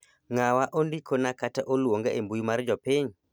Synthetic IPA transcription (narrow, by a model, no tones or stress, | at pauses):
ŋawaʔondikʰonakataʔolwoŋɡeʔembujumaɾd͡ʒɔpɪɲ